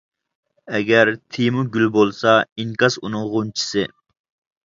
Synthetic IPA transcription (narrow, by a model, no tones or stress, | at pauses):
ɛɡʲɛɾt̪ʰimuɡʲylbolˠsɑiŋkɑsunɨŋʁunt͡ʃʰi̥sɪ